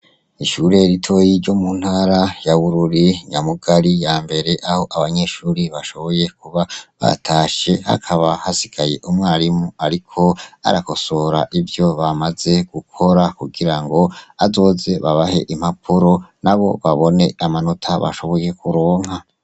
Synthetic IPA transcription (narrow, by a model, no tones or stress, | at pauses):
iʃuɾe̞ɾitʰo̞jiɾɟo̞mun̥haːɾajaβuɾuɾiɲamuɡaɾijaːmbe̞ɾe̞ʔaho̞ʔaβaɲe̞ːʃuːɾiβaʃo̞βo̞je̞k̚uβaβa̰tʰaːʃe̞ha̰kʰaβahasiɡ̥aje̞̰ʔumŋaːɾimuaɾikʰo̞a̰ɾako̞so̞ɾa̰ʔivjo̞βamaze̞ɡ̥ukʰo̞ɾakuɡiɾaŋɡo̞azo̞ːze̞βaβahe̞̰ʔim̥hapʰuɾo̞naβo̞̰βaβo̞ne̞amano̞tʰaβa̰ʃo̞βo̞je̞kʰuɾoːŋha